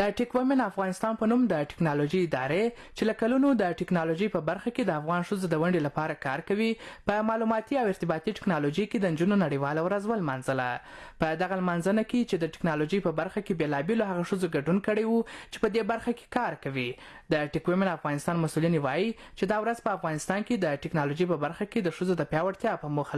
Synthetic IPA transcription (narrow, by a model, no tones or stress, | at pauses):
d̪əʈɪkwemenafɣɑnɪst̪ɑnpənumd̪əʈɪ̥knɑloʒiːd̪ɑ̰ɾe | t͡ʃelakalunod̪əʈɪknɑloʒəjpəbaɾxaked̪əafɣɑnʂəzod̪əwaɳɖelapɑɾakɑɾkawipəmɑlumɑt̪iawɪɾt̪ɪbɑt̪iʈɪ̥knɑloʒəjked̪ənd͡ʒunonaɽəwɑlawɾazwəlmɑnzəlapəd̪aɣalmɑnzənaket͡ʃed̪əʈɪ̥knɑloʒəjpəbaɾxakebelɑbeloɦaɣaʂəzoɡaɖunkəɽəjwut͡ʃe̥pəd̪ebaɾxake̥kɑɾkawi | d̪əʈɪkwemlafɣɑnɪst̪ɑnmasulinewɑji | t͡ʃed̪ɑwɾazpəafɣɑnɪst̪ɑnked̪əʈɪknɑloʒəjpəbaɾxaked̪əʂəzod̪əpjɑwaɽt̪jɑpəmuxa